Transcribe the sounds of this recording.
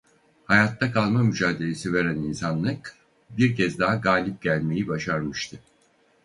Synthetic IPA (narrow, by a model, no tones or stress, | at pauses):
hajat̪ːakʰalˠmamyd͡ʒaːd̪e̞lʲe̞siveɾæninsanlˠɯk | biɾcɛzd̪aɦaɡaːlʲip̚ɟælʲme̞jibaʃaɾmɯʃt̪ʰɯ